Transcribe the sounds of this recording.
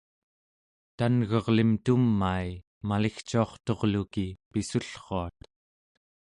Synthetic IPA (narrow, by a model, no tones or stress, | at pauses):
t̪anɣʌʁlimt̪umːaj | malixt͡ʃuɑχt̪o̞ʁlukipisuɬχo̞at̪